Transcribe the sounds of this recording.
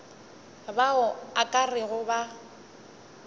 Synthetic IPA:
baʊakʼarɪɣʊba

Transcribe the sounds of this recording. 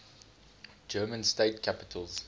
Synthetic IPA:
d͡ʒɜːmə̃nsteɪtkʰapɪ̥tʰəlz̥

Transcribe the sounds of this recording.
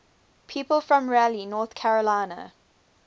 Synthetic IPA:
pʰiːˑpəlˠfɹɔ̃mɹælinɔːˑθkʰæɹəlaɪnə̰

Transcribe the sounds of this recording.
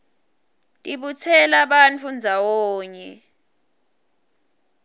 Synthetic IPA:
tʼiɓut͡sʰɛlaɓant͡fʰund͡zʱawɔːɲɛ

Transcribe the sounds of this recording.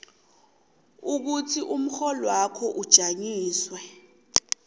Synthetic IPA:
uk̬utʰiʔum̩xɔlwakʰɔʔud̥ʒ̥ʱaɲiːswɛ

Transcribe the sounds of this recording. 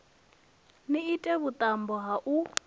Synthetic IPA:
niitʼɛβut̪ʼambɔɦaʔu

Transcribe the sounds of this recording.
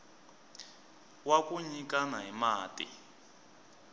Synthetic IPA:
wakuɲikanaɦimaːtʼḭ

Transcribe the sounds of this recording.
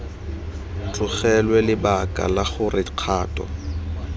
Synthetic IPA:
t͡ɬʼʊχɛlwɛlɪbakʼa̰laχʊrɪq͡χʰaːtʼɔ̰

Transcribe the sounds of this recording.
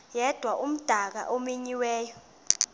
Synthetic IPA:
jɛd̥ʱwaʔum̩d̥ʱak̬a̰ʔomiɲiwɛːjɔ

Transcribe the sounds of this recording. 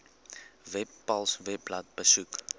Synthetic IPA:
vɛpːɐlˠsvɛplɐt̚bəsuk

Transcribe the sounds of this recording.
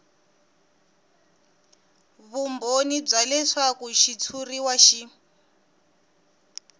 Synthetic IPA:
βumbonib͡ʐalɛʂakuʃit͡sʰuriwaʃi

